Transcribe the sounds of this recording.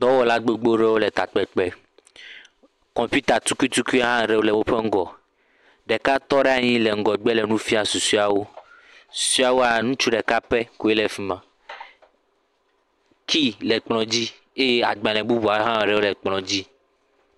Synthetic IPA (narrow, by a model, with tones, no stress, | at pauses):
d̪ɔ˦wɔ˦la˦ɡ͡be˦ɡ͡bo˦ɾɛ˦wo˦lɛ˨t̪a˨k͡pɛ˨k͡pɛ˦ | kɔ̃˨mpi˦t̪a˨t̪u˦ku˦i˦t̪u˦ku˦ɦã˦˨ɾɛ˦wo˦lɛ˨wo˦ɸɛ˦ŋ̩˦ɡɔ˨ | ɖɛ˨ka˦t̪ɔ˦ɖɛ˦a˨ɲĩ˦lɛ˨ŋ̩˦ɡɔ˨ɡ͡bɛ˦lɛ˨nũ˦fi˦a˨su˨su˦a˨wo˦ | su̥˨su˦a˨wo˦a˨nũ˦t͡ʃu˦ɖɛ˨ka˦pɛ˦ku˦e˦lɛ˨fi˦mã˨ | kʰi˦lɛ˨k͡plɔ̃˨d͡ʑi˦ | e˦je˦a̰˨ɡ͡bã˨lɛ̃˨bu˦bu˨a˨˦ɦã˦˨ɾɛ˦wo˦lɛ˨k͡plɔ̃˨d͡ʑi˦